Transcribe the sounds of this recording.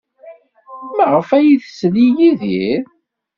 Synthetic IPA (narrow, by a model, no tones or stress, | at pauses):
mæʁəfæjiθəslijiðiɾ